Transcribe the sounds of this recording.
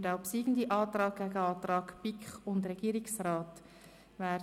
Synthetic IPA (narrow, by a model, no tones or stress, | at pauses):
daʊpsiːɡn̩diʔɑːt̪rɑːk̚ɡ̥æɡəɑːtrɑːkpikχʊndrɛɡ̥iːɾɪksrɑːt | væː